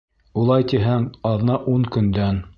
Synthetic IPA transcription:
ulˠɑjt̪iɦæŋɑðnɑʔuŋkɵ̆nd̪æn

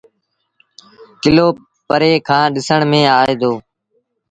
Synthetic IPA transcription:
kɪloː | pəɾeːkʰãːɗɪsəɳmẽːaːɦeːd̪oː

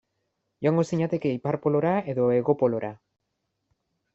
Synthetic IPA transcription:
joaŋɡo̞siɲat̪e̞ke̞ipaɾpo̞lo̞ɾae̞ðo̞e̞ɣo̞po̞lo̞ɾʔa

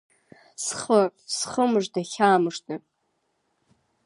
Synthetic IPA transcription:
sχrʼsχəmɨʐdaχʲaːmɨʂtʰɨ

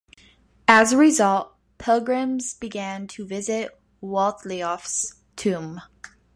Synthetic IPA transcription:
ɨzəɹizʌlˠt̚ | pʰɪlˠɡɹɨ̃mzb̥iɡæ̃ntʰəvɪzɪt̚ | wɔlˠθliɔfs | tʰʉ̃m

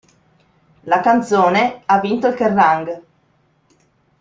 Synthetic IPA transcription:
lakant̪soːneavːint̪oilkerːaŋɡ

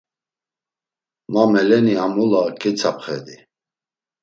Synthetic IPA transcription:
mamɛlɛniamulakʼɛt͡sʰapʰχɛ̰d̪i

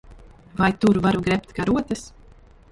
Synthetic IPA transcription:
vajt̪uɾvaɾuɡɾɛp̚t̪kaɾuɔt̪ɨs

